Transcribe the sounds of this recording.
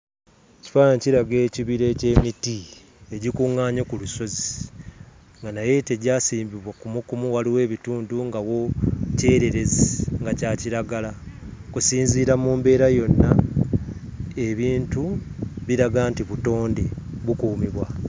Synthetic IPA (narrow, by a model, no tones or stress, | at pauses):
ci̥faːjaɲciɾaɡe̞ːciβiɾe̞ce̞ːmiti | e̞ɟikuŋːaːɲokuluso̞zi | ŋɡanaje̞teɟaːsiːmbiβwakumukumuwaliwe̞ːβituːnduŋɡawo̞ce̞ːɾe̞ɾe̞zeŋɡacaːciɾaɡalakusiːnziːɾamuːmbe̞ːɾajo̞nːa | eβiːntuβiɾaɡaːntiβuto̞ːndeβukuːmiβwa